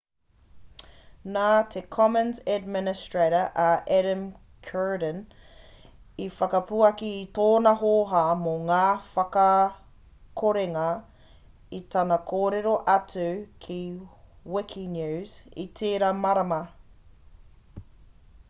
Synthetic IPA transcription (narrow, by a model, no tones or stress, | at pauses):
naːtʰekʰɔmə̃nzɛd̚mɪnɪstɹeɪɾəʔaʔɛɾəm | kʰɜːɾə̃n | ifɐkɐpuɐkiːt̪oːnɐɦoːɦamoŋaːfɐkɐ | kʰoɾeŋɐ | itʰɐnɐkʰoːɾeɾoʔɐt͡sʉkʰiwɪkʰinjʉːzḭtʰeːɾamɐɾɐmɐ